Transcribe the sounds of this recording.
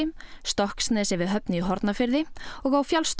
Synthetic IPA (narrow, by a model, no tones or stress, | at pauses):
st̪ɔhksnɛːsɪvɪðɦœpnɪiɦɔɾt̪nafɪɾðɪɔɣawfjalst̪